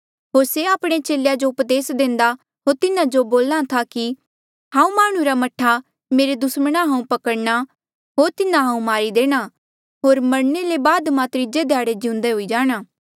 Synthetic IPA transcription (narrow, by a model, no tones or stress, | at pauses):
ɦoːɾseaːpɽ̃et͡ʃeːlejad͡ʒoʊpd̪eːsd̪ẽːnd̪a | ɦoːɾt̪ɪnãd͡ʒoboːlat̪ʰaki | ɦãːũmaːɽ̃ũɾamɐʈʰːa | meːɾed̪ʊsməɽ̃aɦãːũpɐkəɽna | ɦoːɾt̪ɪnãɦãːũmaːɾid̪eːɽ̃a | ɦoːɾmɐɾnelebaːd̪mãt̪ɾɪd͡ʒed̪ʱjaːɽed͡ʒiʊ̃nd̪eɦoid͡ʒaːɽ̃aː